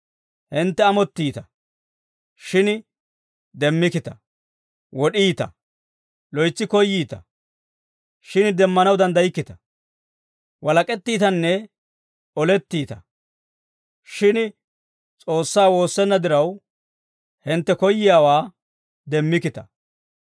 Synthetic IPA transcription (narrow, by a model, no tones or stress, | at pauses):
hɪnt̪ːɛɐmɔt̪ːiːt̪ɐ | ʃɪn | d̪ɛmːɪkɪt̪ɐ | wɔɗiːt̪ɐ̰ | lɔjt͡sːɪkɔjːiːt̪ɐ̰ | ʃɪnd̪ɛmːɐnɐwd̪ɐnd̪ɐjɪkːɪt̪ɐ̥ | wɐlɐkʼɛt̪ːiːt̪ɐnːɛ | ɔlɛt̪ːiːt̪ɐ | ʃɪn | t͡sʼo̞ːsːaːwo̞ːsːɛnːɐd̪ɪɾɐw | hɪnt̪ːɛkɔjːɪjaːwaː | d̪ɛmːɪkɪt̪ɐ̥